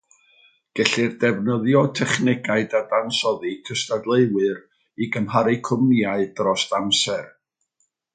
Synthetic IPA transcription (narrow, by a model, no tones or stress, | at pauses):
ɡ̥ɛɬɨrdɛvnəðjɔtʰɛχnɪɡaɨdadansɔðikʰəstadlˠeɨwɨr | iɡəmɦaɾɪkʰʊmiaɨdrɔstamsɛr